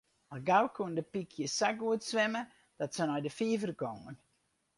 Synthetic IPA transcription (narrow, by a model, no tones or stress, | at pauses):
aɡawkʰuəndəpikʰjəsaɡuətsʋɛmə | d̥ɔtsənɔjdəfiəvərkɔŋən